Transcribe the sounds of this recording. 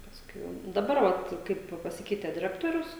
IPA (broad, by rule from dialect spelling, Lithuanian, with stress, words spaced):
ˈpɑːskʊɪ ˈjɛʊ dɐˈbɐr ʋɐt ˈkɐɪp pɐˈsʲɪkʲɛɪtʲɛ dʲɪˈrʲæːktoːrʲʊs